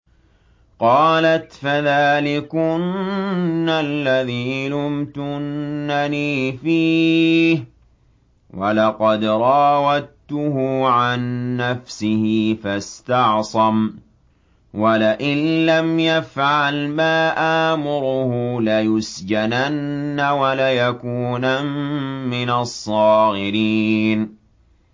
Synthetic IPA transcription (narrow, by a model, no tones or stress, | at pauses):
qɑːlat̪faðaːlɪkʊnː | alːaðiːlʊmt̪ʊnːaniːfiːh | wʔalɑqɑd̪ɾˤɑːwat̪ːʊɦʊʕanːafsɪhɪfast̪ɑʕsˤɑm | walaʔɪnlamjafʕalmaːʔaːmʊɾʊhʊlajʊsd͡ʒananːawalajakuːnamːɪnasˤːɑːɣɪɾiːn